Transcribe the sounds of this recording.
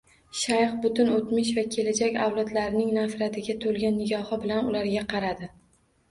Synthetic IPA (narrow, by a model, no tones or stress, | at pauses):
ʃajχbʊt̪ʊnot̪mɪʃ̬vakʲʰe̞lad͡ʒakʲawlˠad̪laɾɪnɪŋnafɾat̪ʰɪɡʲat̪ʰolˠɡʲanːɪɡʲɒhɪbɪlanʊlaɾɡʲaqʰɑɾad̪ɪ